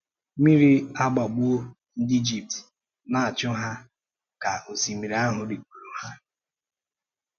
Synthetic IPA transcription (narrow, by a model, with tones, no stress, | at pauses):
mi˦ɾi˦a˦ɡ͡ba˨ɡ͡bu˦o˦ | n̩˦di˦d͡ʒi˨p̚t | na˨a˨t͡ʃʊ˦ɦa˦ | ka˨o˨si˨mi˨ɾi˨a˦ɦʊ˨dɪ˨ku˨ɾu˨ha˦